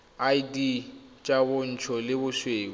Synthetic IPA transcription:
aidit͡ʃʼabʊn̩t͡ʃʰɔlɪbʊʃweːk̬ɔ

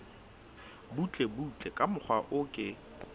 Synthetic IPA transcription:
but͡ɬʼebut͡ɬʼekʼamʊχʰwaʔʊkʼɪ

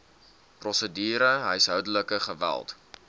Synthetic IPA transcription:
prɔsədiːɾəɦəjsɦœwdələkəχəvæ̰lˠt

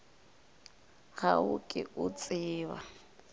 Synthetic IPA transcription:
ɣaʊkʼɪʔʊt͡sʼɪːβa̰

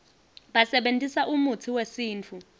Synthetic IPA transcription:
ɓasɛɓentʼisaʔumut͡sʰiwesiːnt͡fʰu

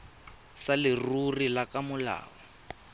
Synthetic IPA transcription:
salɪrurilakamʊla̰ːβɔ

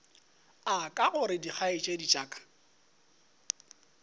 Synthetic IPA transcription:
akʼaɣʊɾɪdik͡xʰaɪt͡ʃʼedit͡ʃʼaːkʼḁ

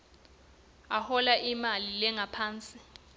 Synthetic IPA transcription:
ahɔlaʔimalilɛŋapʰaːnt͡sʼi

